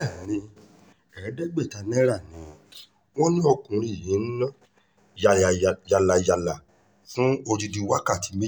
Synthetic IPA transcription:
a˦˨˦ɾĩ˧ | ɛ˨ɛ˨˦dɛ˦ɡ͡be˦˨ta˧nɛ̃˦ɾa˦˨nĩ˨˦ | wɔ̃˦nĩ˦ɔ˧kũ˨˦ɾi˦˨jĩ˨˦n̩˦nã˦ | jja˧la˨ja˧la˨ | fũ˦o˧ɾi˧di˧˦wa˦ka˦˨ti˨˦me˦

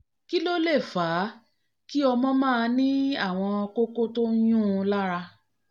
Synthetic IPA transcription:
ki˦lo˦le˦˨faː˨˦ | ki˦ɔ˧mɔ̃˦mãː˦˧nĩ˦a˦˨w̃ɔ̃˧ko˦ko˦to˦j̃ũ˦˧la˦ɾa˧

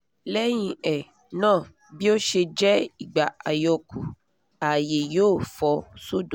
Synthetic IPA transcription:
lɛ˦j̃ĩ˧ɛ˨ | nãː˦˨ | bi˦o˦ʃe˧d͡ʒɛ˦i˨ɡ͡ba˨a˨jɔ˧ku˨ | a˨je˨joː˨˦˨fɔ˧so˦˨dõ˨

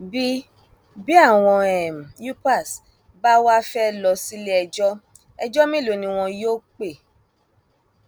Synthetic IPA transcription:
bi˦ | bi˦a˦˨w̃ɔ̃˧ɛ˨m̩˨ju˦pa˦˨s | ba˦wa˦fɛ˦lɔ˧si˦le˦ɛ˧d͡ʒɔ˦ | ɛ˧d͡ʒɔ˦mĩ˦˨lo˨nĩ˧w̃ɔ̃˧jo˦k͡pe˦˨

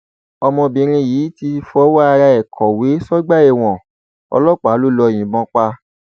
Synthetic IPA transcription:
ɔ˧mɔ̃˧bĩ˨˧ɾ̃ĩ˧jiː˨˦ti˧fɔ˧˦wa˦a˧ɾa˧ɛ˨kʰɔ˨we˨˦sɔ˦ɡ͡ba˦ɛ˦˨w̃ɔ̃˨ | ɔ̰˧lɔ˦˨k͡pa˨˦lo˦˨lɔ˧˨j̃ĩ˨bɔ̃˨˧˦k͡pa˧

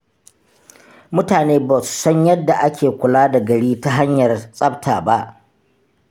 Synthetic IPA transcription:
mʊ˦taː˨neː˦ba˨su̥˨sɐ˦ɲjɐ˦dːa˨ʔa˦kʲʰeː˨kʷʊ˨laː˦da˨ɡɐ˨ɽiː˦ta˦ɦa˦ɲjɐ˨rsʼɐ˦btʰa̰ː˨ba˦ʔ

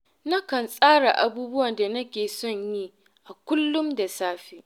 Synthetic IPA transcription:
na˦kɐ˨nsʼaː˦ɽa˨ʔa˨buː˦bʊ˦wɐ˨nda˨nɐ˦kʲeː˨sɔ˦˨ɲji˦ | ʔa˨kʷʊ˦lːʊ˦mda˨saː˦ɸeː˦ʔ

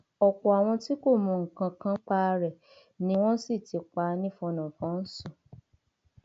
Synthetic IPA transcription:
ɔ˨kɔ˨a˨w̃ɔ̃˧ti˦ko˦˨mɔ̃˧˨ŋ̩˨kã˨˧kã˧k͡pa˧ɾɛ˨ | nĩ˦w̃ɔ̃˦si˦˨ti˨˧k͡pa˧˦nĩ˦fɔ˧nɔ̃˨fɔ̃˨˦n̩˦sũ˦˨

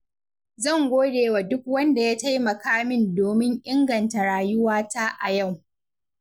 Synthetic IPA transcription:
zɐ˦˨ŋɡʷoː˦deː˨wa˨dʊ˦k̚wɐ˦nda˨jaː˦ta˦jmɐ˨kaː˦mɪ˦ndoː˨mɪ˦ŋʔɪ˦ŋɡɐ˨nta˨ɽaː˨jʊ˦waː˦taː˦ʔa˨ja˦˨w

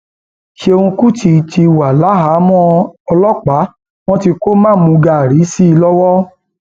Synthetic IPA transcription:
ʃe˧ũ˧ku˦ti˧˨ti˧wa˨la˨˦ɦa˨˦mɔ̃˦ɔ˧lɔ˦k͡pa˨˦ | w̃ɔ̃˦ti˧ko˦mãː˦˨˦mũ˨˧ɡa˨ɾi˨˦si˦i˧lɔ˦wɔ˦

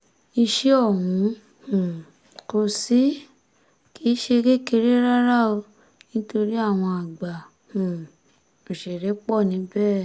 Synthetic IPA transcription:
i˧ʃe˧ɔ˦˨wũ˨˧˦ | hũ˨ | ko˧si˦ | ki˦ʃe˧ɡe˦ke˧ɾe˦ɾa˦ɾa˦o˧ | nĩ˦to˧ɾi˦a˦˨w̃ɔ̃˧a˨ɡ͡ba˨ | hũ˨ | u˨ʃɛ˨ɾɛ˨˦k͡pɔ˦˨nĩ˨˦bɛː˦˨

